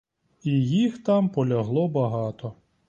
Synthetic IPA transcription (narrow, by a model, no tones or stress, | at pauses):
ijixt̪ɑmpɔlʲɐɦlˠɔbɐɦɑt̪ɔ